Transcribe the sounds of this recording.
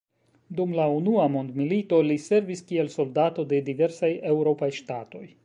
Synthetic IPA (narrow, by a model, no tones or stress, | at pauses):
dumlaunuamo̞ndmilito̞lise̞ɾviskie̞lso̞ldato̞de̞dive̞ɾsaje̞wɾo̞pajʃtato̞j